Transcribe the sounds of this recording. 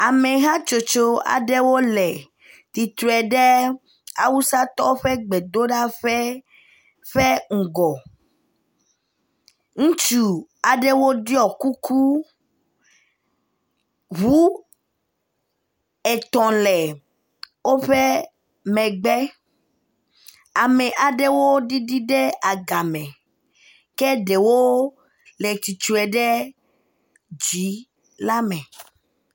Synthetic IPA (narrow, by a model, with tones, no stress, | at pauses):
a˨mɛ̃˨ɦã˦t͡ʃo˨t͡ʃo˦a̰˨ɖe˦wo˦lɛ˨ | t̪i˨t̪ɾɛ˨ɖe˦ | a˨wu˦sa˦t̪ɔ˦wo˦ɸɛ˦ɡ͡be˨d̪o˦ɖa˦ɸɛ˦ | ɸe˦ŋ̩˨ɡɔ˨ | ŋũ˦t͡ʃu˨a˨ɖe˦wo˦ɖi˦ɔ˨ku˦kʰu˦ | βu˦ | ɛ˨t̪ɔ̃˨lɛ˨ | wo˦ɸe˦ | mɛ̃˨ɡ͡bɛ˦ | a˨mɛ˨ʔa˨ɖe˦wo˦ɖi˦ɖi˦ɖe˦a˨ɡa˨mɛ̃˨ | ke˦ɖe˨wo˦ | le˨t͡ʃi˨t͡ʃu˦ɛ˨ɖe˦ | d͡ʒi˨˦ | la˦mɛ̃˨